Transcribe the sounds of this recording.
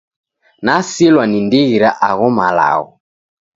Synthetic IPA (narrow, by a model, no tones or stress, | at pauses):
nasilwanindiɣiɾaʔaɣɔmala̰ɣɔ̰